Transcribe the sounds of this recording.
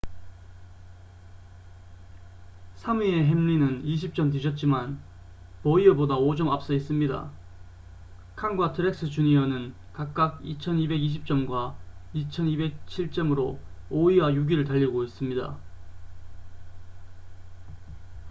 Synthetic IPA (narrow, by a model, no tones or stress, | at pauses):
sʰamie̞ɦemʎinɯniɕ̬ʰip̚t͡ɕ͈ʌmt̬ɯd͡ʑʰʌt̚t͡ɕ͈iman | pʌiʌbodaod͡ʑʌmap̚s͈ʌis͈ɯmɲida̰ | kʰaŋɡwatʰɯɾe̞k̚s͈ɯt͡ɕuɲiʌnɯn | kak̚k͈aɡ̚it͡ɕʰʌnibe̞ɡiɕ̬ʰip̚t͡ɕ͈ʌmɡwait͡ɕʰʌnibek̚t͡ɕʰiɭt͡ɕ͈ʌmɯɾooiwajuɡiɾɯɭtaʎːiɡois͈ɯmɲida̰